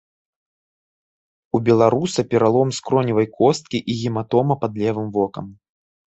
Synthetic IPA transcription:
ubʲɛlˠaɾusɐpʲɛɾalˠɔmskɾɔnʲivɐjkɔst̪̚kʲiʔiɣʲimat̪ɔmɐpad̪lʲɛvɨmvɔkɐm

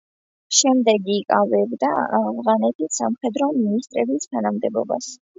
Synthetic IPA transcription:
ʃɛmd̪ɛɡikʼavɛbd̪aavʁanɛt̪ʰisamχɛd̪ɾɔminist̪ʼɾɛbist̪ʰanamd̪ɛbɔ̰ba̰s

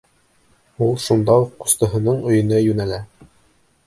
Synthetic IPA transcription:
ulˠʃund̪ɑuqːŏ̥st̪ɤ̆ɦɤ̆nɤɴɵ̆jɤ̆nɤjʉnælæ

